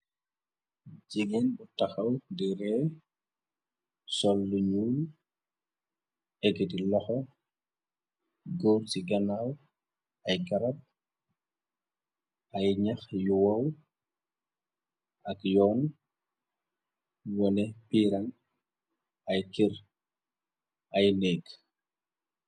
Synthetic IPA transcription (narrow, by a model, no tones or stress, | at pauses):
d͡ʒiɡinbutaxɐwdiɾɛ | sɔlːuɲuːl | ɛkːɛdilɔxɔ | ɡoɾsiɡɐnaw | ɐjɡɐɾɐp̚ | ɐjɲɐxjuwɐw | ɐkjɔːn | wɔnɛpiːɾɐŋ | ɐjkiɾ | ɐjnɛk